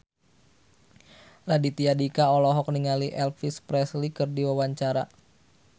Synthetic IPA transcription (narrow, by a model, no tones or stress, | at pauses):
radit̪iadikaɔlɔɦɔk̚niŋaliʔɛlfispɾɛslikɨrdiwawaɲt͡ʃaɾa